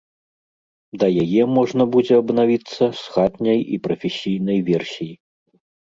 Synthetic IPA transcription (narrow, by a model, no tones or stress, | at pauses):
d̪ɐjajɛmɔʐnɐbud͡zʲɛɐbnavʲit̪sːɐsxad̪nʲɐjipɾɐfʲɛsʲijn̪ɐjvʲɛrsʲiji